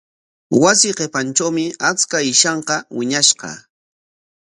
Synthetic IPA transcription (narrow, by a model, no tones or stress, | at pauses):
wasɪqepant͡ʃawmɪat͡skaɪʃɑɴqɑwɪɲaʃqɑ̰